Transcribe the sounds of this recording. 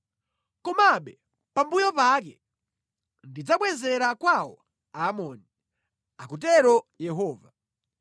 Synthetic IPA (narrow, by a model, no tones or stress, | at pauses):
kɔmaɓɛ | pambujɔpak̬ɛ | ndid͡zaɓwɛzɛɾakwawɔ | aːmɔːni | akut̬ɛɾɔjɛɦɔːva